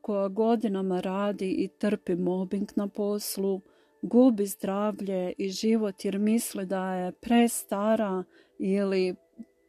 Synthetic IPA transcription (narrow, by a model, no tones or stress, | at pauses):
koɡaɡo̞d̪inamaɾaːd̪iʔit̪r̩pimo̞biŋknapo̞slu | ɡuːbizd̪ɾaːʋʎe̞iʒiʋo̞t̪jeɾmislid̪aje̞pɾe̞st̪aɾa | ili